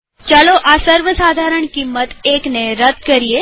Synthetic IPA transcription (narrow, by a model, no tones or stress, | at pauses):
t͡ʃaloʔasəɾʋəsad̪ʱaɾəɳkimːət̪ekneɾəd̪ʱkəɾie